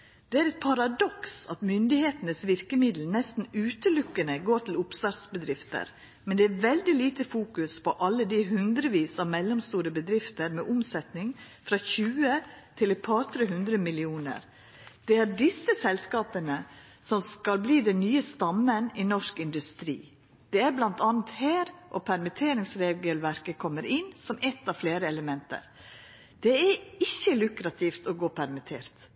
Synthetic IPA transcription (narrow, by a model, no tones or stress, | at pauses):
d̪̥ɛæɾɛt̪̚pʰɑɾɑd̪ɔksɑt̪mʏnd̪ɪheːt̪ənəsʋɪɾkəmɪd̪l̩nɛst̪n̩ʉːt̪əlʊkːənəɡoːʈʰlʊpsɑɾt̪sbəd̪ɾɪft̪ə̰ɾ | mɛnd̪ɛæːɾʋɛld̪ɪliːt̪əfuːkʉspʰɔʔɑlːəd̪ɪɦʉnd̪ɾəʋiːsɑʋmɛlːɔmst̪uːɾəbəd̪ɾɪft̪əɾmɛ̰ʔʊmsɛt̪nɪŋ | fɾɑçʉːət̪ʰɪlɛt̪̚pʰɑːɾt̪ʰɾeːɦʉnd̪ɾəmɪlɪuːnə̰ɾ | d̪̥ɛæɾɖɪsːəsɛlskɑːpənə | sɔmskɑlbliːd̪ɛnnyːəst̪ɑmːənɪnɔʂkɪnd̪ʉst̪ɾḭː | d̪̥ɛæɾblɑnt̪ɑːnət̪hæːɾʔɔpʰæɾmɪt̪ʰeːɾɪŋsɾeːɡəlʋæɾkəkʰɔmːəɾɪnːsɔmɛt̪ːɑʋfleːɾəɛləmɛnt̪ə̰ɾ | d̪̥ɛæɪçːəlʉkɾɑt̪ʰɪft̪ɔɡoːpʰæɾmɪt̪ʰeːɾt̪